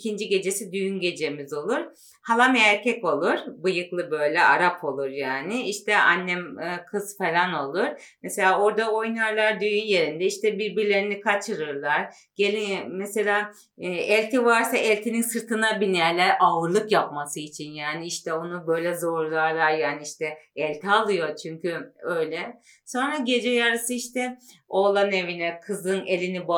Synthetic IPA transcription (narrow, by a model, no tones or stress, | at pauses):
cʰind͡ʒiɟe̞d͡ʒe̞sid̪yjynɟe̞d͡ʒe̞mizo̞lˠuɾ̥ | halˠamæɾcʰɛko̞lˠuɾ̥bɯjɯklˠɯbø̞jlʲɛaɾapʰo̞lˠuɾjaːnɪiʃt̪ʰɛʔa̰nːɛmːkʰɯzfe̞lʲano̞lˠuɾ̥ | mɛse̞lʲaːo̞ɾd̪ao̞jnaɾlˠaɾd̪yjynje̞ɾind̪ɛiʃt̪ɛbiɾbiɾlʲe̞ɾinikʰat͡ʃʰɯɾɯɾlˠaɾ | ɟ̥elʲimɛse̞lʲaː | ɛlʲt̪ʰivaɾsaʔɛlʲt̪ʰininsɯɾt̪ʰɯnabinjæɾlʲɛɾʔavɯɾlˠɯkjapmasɯit͡ʃʰinjaːniiʃt̪ʰɛonubø̞jlʲɛzo̞ɾlˠaɾlˠaɾjaːniiʃt̪ʰɛɛlʲt̪ʰialˠɯjo̞t͡ʃʰyɲcyøjlʲɛ | so̞nɾaɟe̞d͡ʒɛjaɾɯsɯiʃt̪ʰɛo̞ːlˠane̞vinɛkʰɯzɯnelʲiniba